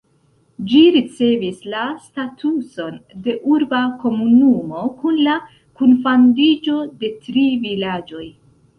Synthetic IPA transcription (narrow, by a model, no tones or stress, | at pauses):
d͡ʒiɾit͡se̞vislastatʰuso̞nde̞ʔuɾbako̞munumo̞kunla | kunfandid͡ʒo̞de̞tɾivilad͡ʒo̞j